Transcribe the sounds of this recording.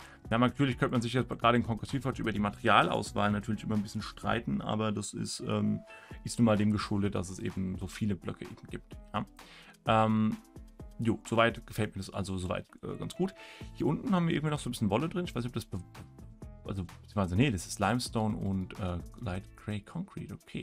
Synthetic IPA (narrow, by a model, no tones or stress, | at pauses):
jaːnatʰyːɐlɪçkʰœntəmanzɪçjɛt͡sɡ̥ʁaːɾəɪnkʰɔŋɡʁɛsfiːfaɐt͡ʃʔyːbɐdiːmatɛʁiaːlʔa̰ʊsv̥a̰ːlnatʰyːɐlɪçʔɪmɐnbɪsçənʃtʁ̥a̰ɪtn̩ʔa̰ːbɐdasɪ̰stʔɛ̰ːmʔɪstnuːnmaːldeːmɡəʃʊldət̚d̥a̰s̬ɛsʔḛːbm̩zoːfiːləblœ̰kʰəʔḛːbm̩ɡ̥iːp̚tja̰ː | ʔɛːm | joːz̥oːvaɪtɡ̥əfɛlt̚miːɐdasʔa̰lzozoːva̰ɪtʔɛ̰ːɡant͡sɡ̥uːthiːɐʔʊntn̩haːmviːɪŋ̩tviːnɔχzoːnbɪsçənvɔlədʁɪnɪçvaɪsniç̬ʔɔp̚d̥asb̥ə̥ | ʔalzoz̥imaɪnzanədasɪ̥stlaɪmstoʊnʊ̰ntʔɛːlaɪtɡ̥ʁeɪkʰɔŋkʁ̥ḭːtokʰḛː